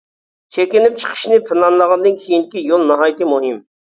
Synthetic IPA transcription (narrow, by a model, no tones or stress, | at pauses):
t͡ʃʰekʲɪnɪp̚t͡ʃʰə̥qʰə̥ʃnɪpʰɪnɑnlˠəʁɑnd̪ɨnkʲʰijind̪ɪkʲijolˠnɑɦɑːjt̪ɨmuɦim